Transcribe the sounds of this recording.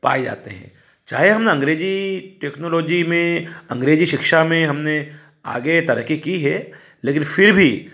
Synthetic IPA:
pa̰ːed͡ʒa̰ːt̪ḛɦɛ̰̃ː | t͡ʃaːɦeɦɐmneɐ̃ŋɡɾeːd͡ʒiʈeːknoːloːd͡ʒimẽɐ̃ŋɡɾeːd͡ʒiʃɪkʃamẽɦɐmne | a̰ːɡet̪ɐɾəkikiɦɛ | leːkɪnfɪɾbʱi

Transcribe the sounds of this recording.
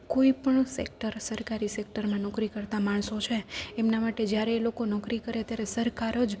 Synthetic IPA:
koipəɳsḛk̚ʈəɾsəɾkaɾisek̚ʈəɾmãnɔkɾikəɾt̪amaɳsot͡ʃʰeemnamaʈed͡ʒjaɾeːlokonɔkɾikəɾeət̪jaɾesəɾkaɾəd͡ʒ

